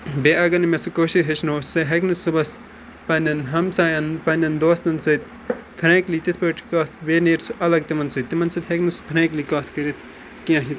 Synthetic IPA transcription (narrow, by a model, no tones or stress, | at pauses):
beːɐɡɐnmesukoːʃiɦeʃnoːsɐɦɐknɨsubɐs | pɐnʲɐnɦɐmsaːjɐnpɐnʲɐnd̪oːst̪ɐnsɐt̪ | t̪ʰɾẽːkliːt̪it̪ʰpɐːʈʰikaːt̪ʰbeːneːɾsuʔɐlɐɡ̚t̪imɐnsɨt̪ːimɐnsɨt̪ʲɦɐknɨsu̥t̪ʰɾẽːklikaːt̪ʰkɐɾit̪ʰ | kijãːɦit̪ʰ